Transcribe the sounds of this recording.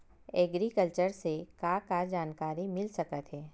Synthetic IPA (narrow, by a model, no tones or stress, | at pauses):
ɛːɡɾikəlt͡ʃəɾsekakad͡ʒaːnkaːɾimɪlsɐkət̪ɦɛː